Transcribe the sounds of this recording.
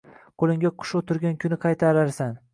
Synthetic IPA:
qʰolˠɪŋɡʲaqʰʊ̥ʃot̪ʰʊɾɡʲankʰʲʊnɪqʰɑjt̪ʰaɾaɾsan

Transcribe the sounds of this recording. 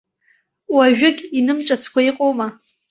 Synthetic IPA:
waʒᶣɪɡʲinɨmʈ͡ʂʼat͡sʰkʷaiqʼowma

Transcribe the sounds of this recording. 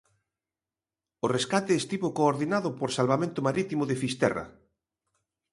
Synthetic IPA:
oreskat̪eːst̪iβokoːɾðinaðʊpoɾsalβamẽnt̪ʊmaɾit̪imʊðefist̪ɛ̰ra̰

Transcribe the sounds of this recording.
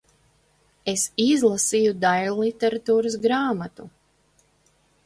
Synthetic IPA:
esizlˠasijud̪ajlˠit̪ɛɾat̪uːɾas̬ɡɾaːmat̪u

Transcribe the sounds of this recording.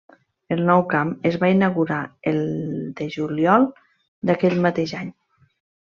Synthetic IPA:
əlˠnɔwkaməzβainaɣuɾaelˠd̪eʒuljɔlˠ | d̪akɛʎmat̪eʒaɲ

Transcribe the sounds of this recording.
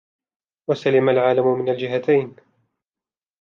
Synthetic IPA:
wasalamalʕaːlamʊmɪnald͡ʒɪɦat̪ʰajn

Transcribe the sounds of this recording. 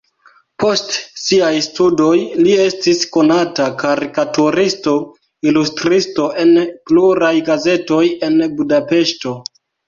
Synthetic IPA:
pʰo̞stsiajstudo̞jlie̞stisko̞natakaɾikatuɾisto̞ | ilustɾisto̞ʔe̞npluɾajɡaze̞to̞je̞nbudape̞ʃto̞

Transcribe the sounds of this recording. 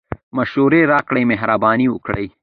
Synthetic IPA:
mɐʃuɾeɾɑːkɽejmeɦɾabɑːniwʊkɽɐ̰j

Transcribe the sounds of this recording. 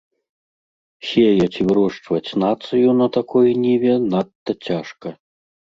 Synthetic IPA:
sʲejɐt͡sʲivɾɔʂt͡ʂvɐt͡sʲnat̪sɨjunɐt̪akɔjnʲivʲɛnat̪ːɐt͡sʲaʂkɐ

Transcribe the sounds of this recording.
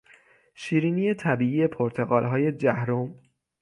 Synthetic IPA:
ʃiːɾiːniːje̞t̪ʰæbiːiːje̞pʰoɾt̪ʰe̞ɣɒːlɦɒːje̞d͡ʒæhɾom

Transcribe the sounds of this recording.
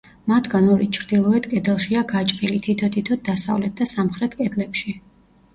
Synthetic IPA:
mat̪ʰɡanɔɾit͡ʃʰɾd̪ilˠɔɛt̪kʼɛd̪ɛlˠʃiaɡat͡ʃʼqʼilit̪ʰit̪ʰɔt̪ʰit̪ʰɔt̪̚d̪asa̰vlɛt̪̚d̪asamχɾɛt̪ʰkʼɛd̪lɛpʃi

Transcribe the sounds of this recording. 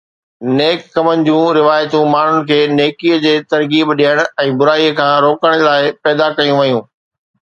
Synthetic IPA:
neːkːɐmənɪ̆d͡ʑũːɾɪʋaːjt̪ũmaːɳ̤ʊnɪ̆kʰeːneːkiəd͡ʑeːt̪ɐɾɡiːbɗiəɽ̃ʊɛ̃ːbʊɾaːiəkʰãːɾoːkəɽ̃laːɪpɛːd̪akɐjũʋɐjũː

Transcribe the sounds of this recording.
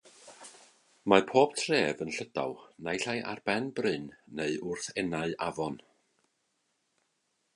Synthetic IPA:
mapʰoːb̥tʰreːvənɬəda̰wˠnajɬajʔa̰rbɛnbrɨnːeɨʊrθɛnaɨʔavɔn

